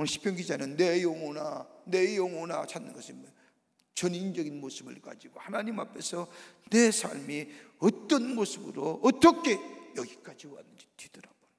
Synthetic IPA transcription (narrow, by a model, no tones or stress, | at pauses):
onɯɕʰi̥pʰjʌŋɡid͡ʑanɯnːejoŋonane̞joŋonat͡ɕʰanːɯ̰nɡʌsʰɯni | t͡ɕʌnind͡ʑʌɡinmosɯbɯ̰ɭka̰d͡ʑiɡ̥ohanaɲimapʰe̞sʰʌne̞sʰa̰ɭmiʌt͈ːʌnmosʰɯbɯɾoʌt͈ʌkʰe̞jʌɡik͈ad͡ʑioanːɯnd͡ʑitidʌɾab̥oa